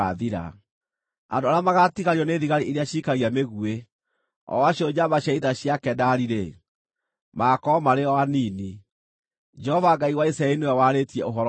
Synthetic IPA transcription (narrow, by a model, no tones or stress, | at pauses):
aðiɾa̰ | a̰ndoaɾeamaɣatiɣaɾiɔneðiɣaɾiʔeɾeaɕiːkaɣiameɣue | ɔ̰waɕjɔd͡ʑaβaɕaiðaɕjakɛdaɾiɾe | makɔmaɾeɔwanini | d͡ʒɛhɔvaɡaiwaisaɛɾinojawaɾetiɛoɦɔɾ